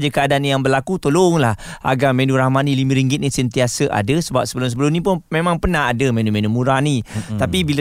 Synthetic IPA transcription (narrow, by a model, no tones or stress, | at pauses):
d͡ʒəkəadaanjaŋbərlakut̪oloŋlahʔa̰ɡamẽnuɾahmanĩlimə̃ɾiŋɡɪt̪̚nisənt̪iasəʔa̰dəsəbap̚səbəlʊms̬əbəlʊmnĩp̬ʊnmẽmãŋpənaɦadəmẽnumẽnumuɾanit̪apibil